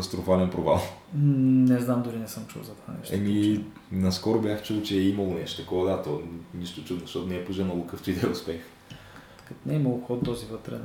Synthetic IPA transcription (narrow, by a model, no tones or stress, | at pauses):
st̪ɾʊfalɛnpɾova̰lˠ | nɛznamd̪ʊɾinɛsəmt͡ʃṵlˠzɐt̪va̰nɛ̰ʃɛ̰mi | nɐskɔɾʊbʲjaxt͡ʃulˠt͡ʃɛɛiməlˠʊnɛʃt̪o̥t̪əkɔvɐd̪at̪ɔniʃt̪ʊt͡ʃud̪nʊʃt̪ɔt̪ʊnɛːpoʒɛnəlˠokəft̪ʊid̪ɛɛʊspɛx | kət̪nɛiməlˠʊxɔt̪t̪ɔzivət̪ɾɛ̰